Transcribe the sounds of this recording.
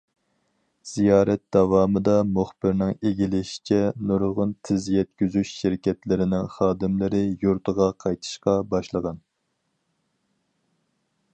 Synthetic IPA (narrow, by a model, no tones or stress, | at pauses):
z̥ijɑːɾɛt̪̚d̪̥ɑvɑːmɨd̪ɑmuχbɪɾnɪŋeɡʲilɪʃi̥t͡ʃʰɛnuɾʁʊnt̪ʰɪzjɛt̪̚kʲyzyʃʃɪɾɪkʲɛt̪lɪɾɪnɪŋχɑːd̪ɪmlɪɾɪjuɾt̪ʰəʁɑqʰɑjt̪ʰɨ̥ʃqɑbɑʃlˠəʁɑn